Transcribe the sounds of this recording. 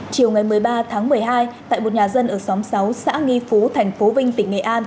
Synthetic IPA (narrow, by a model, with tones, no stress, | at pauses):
t͡ɕi˨˩əwŋa˨˩jmɨ˨˩əjɓaː˧t̪ʰaː˨˦ŋmɨ˨˩əjɦaː˧jt̪a̰ː˧˨jmo˨˩t̚ɲaː˨˩zə˧nʔəː˧˩sa˨˦msa˨˦wsa̰ː˧˥ŋi˧fu˨˦t̪ʰɛ˨˩jŋ̟fo˨˦vï˧ŋ̟t̪ï˧˩ŋŋḛ˨˩ʔaː˧n